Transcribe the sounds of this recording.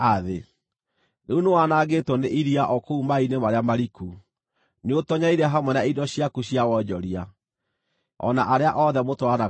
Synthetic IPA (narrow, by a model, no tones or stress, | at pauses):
aðe | neunowanaɡetwɔneʔiɾiaʔɔkoumainemaɾeamaɾiku | neotɔɲaiɾɛɦamwɛnaidɔɕiakuɕjawɔd͡ʒɔɾia | ɔ̰naʔaɾeaʔɔðɛmotoana